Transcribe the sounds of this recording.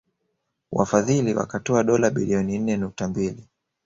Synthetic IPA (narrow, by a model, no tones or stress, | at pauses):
wa̰faðiliwa̰katɔaɗɔlaɓiliɔnin̩nɛnuk̚tambili